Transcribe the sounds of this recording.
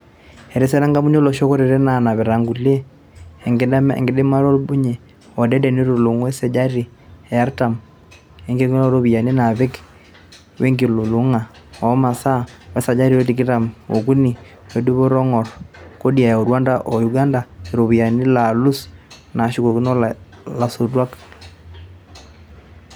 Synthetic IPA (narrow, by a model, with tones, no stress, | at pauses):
ɛ˨ɾe˦sɛ˦na˦ŋɡa˦bu˦ɲ˦o˦lɔ˨ʃo˦ko˦ɾe˨ɾɛ˦na˨na˨βɛ˨ɾa˨ŋɡu˨le˦˨ | ŋɡ̰ŋɡɪ˨dɪ˦ma˦ɾɔ˦bu˦ɲe˨ | ɔ˨dɛ˦dɛ˨ni˦ɾo˨lu˨ŋwɛ˦sɛ˨d͡ʒa˦ɾi˨ | ɛ˨ja˦ɾta˨m | e˨ŋɡe˦ko˦ɾo˦βi˨ja˨ni˦na˨βɛ˦k | we˦ŋɡi˨lo˨lu˨ŋa˨ | ɔ˨˦ma˨sa˦wɛ˦sa˨d͡ʒa˦ɾi˦o˦ti˨kɪ˦ɾa˨mo̰˨ku˦ni˨ | we˨du˦βo˦ɾɔ˦ŋɔ˨ɾko˦di˦a˨ja˨o˨ɾwa˦nda˦ʔɔ˨ju˨ɡa˦nda˨e˨ɾo˨βi˨ja˨ni˦la˨lu˦s | na˨ʃi˦ko˨kɪ˦nɔ˦lla˨su˨rwa˦k